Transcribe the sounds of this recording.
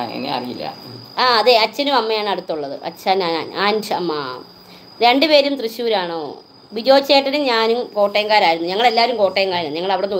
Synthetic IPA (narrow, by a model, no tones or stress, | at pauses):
ḛnːḛɐ̰rijḭlːɐ̰aːɐðeɐt͡ɕːɐnumɐmːɐjaːɳɨɐɽut̪ːuɭːɐðɨ̰ʔɐ̰t͡ɕːanaːna̰ːnaːnt͡ɕɐɐmːɐ | ɾɾe̞ɳɖɨpe̞ːɾumt̪rɨɕjuːɾaːɳo̰ː | ʋid͡ʑo̞ːt͡ɕːeːʈːɐnuɲaːnumko̞ːʈːeːɐŋɡaːɾaːjiɾunːuɲɐŋːɐɭe̞lːaːʋɐɾumko̞ːʈːeːɐŋɡaːɾnːɲɐŋːɐɭɐʋiɽonːu